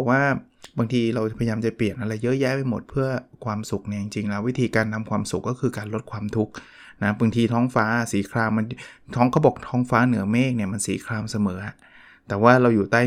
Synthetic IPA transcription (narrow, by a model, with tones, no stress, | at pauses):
waː˥˩ | baː˧ŋt̪ʰiː˧ɾa˧wpʰa˧ja˧jaː˧mt͡ɕa˨˩pli˨˩ənʔa˧ɾa˧jːɤ˦˥jɛː˦˥˩pa˧jmo˨˩t̪̚pʰɯ˥˩ɐkʰwaː˧msu˨˩k̚ni˥˩t͡ɕi˧ŋt͡ɕi˧ŋlɛː˦˥wi˦˥t̪ʰiː˧kaː˧nt̪ʰa˧mkʰwaː˧msu˨˩kːɔː˥˩kʰɯː˧kaː˧nlo˦˥t̪̚kʰwaː˧mt̪ʰu˦˥k̚ | na˦˥baː˧ŋt̪ʰiː˧t̪ʰɔː˦˥ŋfaː˦˥siː˩˦kʰɾaː˧mːa˧nt̪ʰɔː˦˥ŋkʰa˦˥bo˨˩k̚t̪ʰɔː˦˥ŋfaː˦˥nɯ˩˦ɐmeː˥˩k̚ni˥˩ɐma˧nsiː˩˦kʰɾaː˧msa˧mɤː˩˦a˩ | t̪ɛː˨˩waː˥˩ɾa˧wjuː˨˩t̪aː˥˩